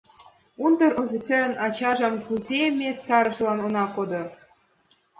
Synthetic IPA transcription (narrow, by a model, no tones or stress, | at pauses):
und̪ɤ̆rofʲit͡seɾʲə̆nɑt͡ɕɑʐɑmkuzʲemʲesʲt̪ɑɾɤ̆ʂlˠɑnŏnɑkod̪ɤ̆